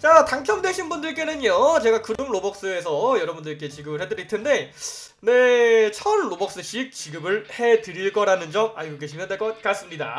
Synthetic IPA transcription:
t͡ɕataŋkʰjʌmdwe̞ɕʰinbundɯɭk͈e̞nɯɲjot͡ɕe̞ɡakɯɾɯmɭobʌk̚s͈ɯe̞sʰʌjʌɾʌbundɯɭk͈e̞t͡ɕiɡɯbɯɭhedɯɾitʰende̞ | ne̞t͡ɕʰʌnːobʌk̚s͈ɯɕʰik̚t͡ɕiɡɯbɯɭhe̞tɯɾiɭk͈ʌɾanɯnd͡ʑʌmaɭɡoɡeɕʰimdek͈ʌt̚k͈as͈ɯmɲida̰

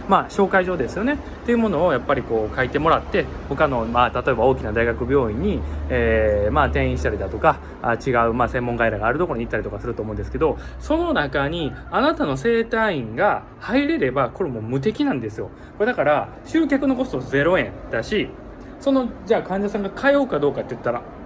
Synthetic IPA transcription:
maːɕo̞ːkaiʑo̞ːd̪e̞sɨjo̞ne̞ | t̪ːeiɯ̟mo̞no̞ːjapːaɾʲiko̞ːkait̪e̞mo̞ɾat̪ːe̞ho̞kano̞mat̪at̪o̞e̞baoːkʲinad̪aiɡakɯ̟bʲjo̞ːĩɲ̟ːieːmaːt̪ẽ̞ɰ̃ĩɕi̥t̪aɾʲid̪at̪o̞ka | at͡ɕiɡaɯ̟maːsẽ̞mːõ̞ŋɡaiɾaɡaːɾɯ̟d̪o̞ko̞ɾo̞ɲ̟it̪ːaɾit̪o̞kasɨɾɯ̟t̪o̞ːmõ̟nd̪sɨ̥ke̞d̪o̞so̞no̞nakaɲ̟ianat̪ano̞se̞ːt̪aĩŋɡa | haiɾe̞ɾe̞bako̞ɾemo̞mɯ̟t̪̬e̞kʲinãnd̪e̞sɨjo̞ | ko̞ɾed̪akaɾa | ɕɨːkʲakɯ̟no̞ɡo̞st̪o̞ze̞ɾo̞ẽ̞nd̪aɕi | so̞no̞d͡ʑaːkãɲ̟d͡ʑasãŋɡakʰaeokad̪o̞ːkat̪ːejɯ̟t̪ːaɾa

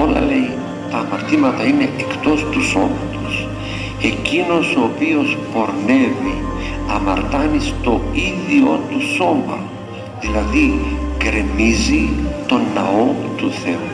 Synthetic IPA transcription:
o̞lɐ̰le̞j | t̪ɐːmɐɾt̪imɐt̪ɐine̞ekt̪o̞st̪uso̞̰mɐt̪o̥s | e̞cino̞soːpio̞spo̞ɾne̞vi | ɐmɐɾt̪ɐnist̪o̞iðio̞t̪uso̞mɐ̰ | ðilɐðiɡɾemizit̪o̞nːɐo̞t̪uθe̞u

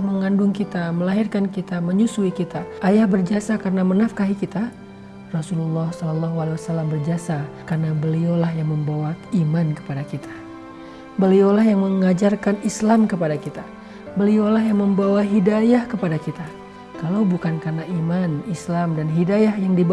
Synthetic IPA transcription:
məŋandʊŋkit̪aməlaɦirkankit̪aməɲusuikit̪aʔajahbərd͡ʒasakarənamənafkaɦikit̪a | rɔsululˠːɑhsɔlɔlːaɦualewasalambərd͡ʒasakarənabəliolahjaŋməmbawaimankə̥padakit̪ʰḁ | bəliolahjaŋməŋad͡ʒarkanislamkəpadakit̪a | bəliolaɦjaŋməmbawaɦidajahkəpadakit̪a | kalawbukankarnaʔimanislamdanɦidajahjaŋdib

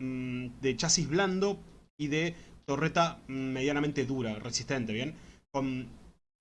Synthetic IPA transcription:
d̪e̞t͡ʃasiβland̪o | iðe̞t̪o̞ret̪ameðjanament̪eðuɾaresiht̪e̞nt̪eβjẽ̞nkon

